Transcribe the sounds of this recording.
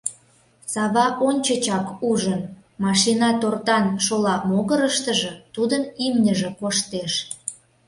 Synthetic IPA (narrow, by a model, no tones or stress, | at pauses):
sɑβɑʔonʲt͡ɕət͡ɕɑkuʒən | mɑʃinɑt̪ort̪ɑnʃolɑmoɣəɾəʃt̪əʒĕt̪ud̪ənimnʲəʒĕkoʃt̪eʃ